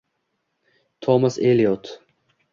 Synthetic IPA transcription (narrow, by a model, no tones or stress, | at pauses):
t̪ʰɔmɐseliot̪ʰ